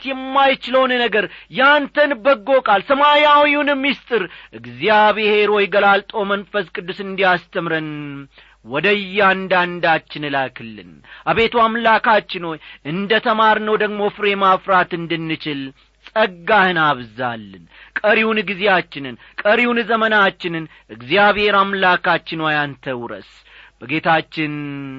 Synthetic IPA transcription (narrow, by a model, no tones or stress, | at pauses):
t̪jɛmːajɪt͡ʃɪləwnnəɡəɾjant̪ʰənbəɡːo̞kʼalsəmajawiunɨmːist̪ʼɨɾʔɨɡzijaβhe̞ɾwɔjɡəlalt̪ʼo̞mənfəskʼɨd̪ːusɨnd̪ijast̪ʰəmɾɨn | wɔd̪əjːand̪and̪at͡ʃːɪnɨlakʰɨlːɨ̰nʔaβe̞t̪ʰwamlakʰat͡ʃːɪnojɨnd̪ət̪ʰəmaɾnəwd̪əɡmo̞fɨɾe̞mafɾat̪ɨnd̪ɨnːɨt͡ʃɪl | sʼəɡːahɨnaβza̰lːɨnkʼəɾiwnɨɡɨzejat͡ʃːɪnɨn | kʼəɾiwnzəmənat͡ʃːɪnɨn | ʔɨɡzijaβhe̞ɾamlakat͡ʃːɪnwajant̪ʰəwɾə̰s | b̥əɡe̞t̪ʰat͡ʃːɪn